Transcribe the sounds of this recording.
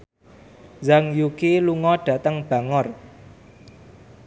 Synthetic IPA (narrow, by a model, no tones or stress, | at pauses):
zaŋjukiluŋɔɖ̥ä̤t̪əŋb̥a̤ŋɔr